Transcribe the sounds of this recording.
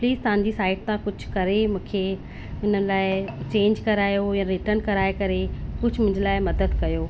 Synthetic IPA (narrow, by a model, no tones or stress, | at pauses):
pliːzt̪ɐʋ̤ɦãɲ̆d͡ʑisaːɪʈ̚t̪ãkʊd͡ʑʱʊkɐɾemũːkʰe | ɪnəlaːɪt͡ɕẽːɲd͡ʑkɐɾaːjojãɾɪʈəɾnkɐɾaːekɐɾekʊd͡ʑʱmʊ̃ɪ̃ɲd͡ʑəlaːɪmɐd̪əd̪kɐjoː